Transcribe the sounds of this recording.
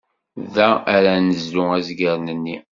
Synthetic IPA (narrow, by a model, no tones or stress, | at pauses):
ðææɾænəzluæzɡəɾnənːi